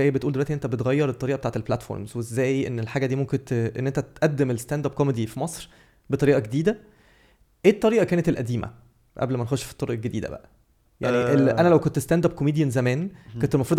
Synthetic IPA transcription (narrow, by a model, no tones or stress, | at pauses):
æːjbet̪uːld̪ewæʔ̪iʔnːent̪æbet̪ɣæjːɑɾˤet̪ːˤɑɾiːʔɑbeaːʕt̪elplæt̪fo̰ɾmzwezːæːjʔenːelħaːɡæd̪iːmomkent̪ʔḛnːʔent̪æt̪ʔæd̪ːemelest̪ænd̪æb̚komed̪ifimɑsˤɾ | bet̪ˤɑɾiːʔɑɡed̪iːd̪æ | ʔeːt̪ˤːɑɾiːʔɑkæːnet̪elʔæd̪iːmæ̰ | ʔæ̰blmænexoʃfi̥t̪ˤːoɾoʔelɡed̪iːd̪æ̰bæ̰ʔæ | jaaʕniʔeʔænælæwkont̪est̪ænd̪æb̚komiːd̪jænzæmæːnkont̪elmɑfɾuːd̪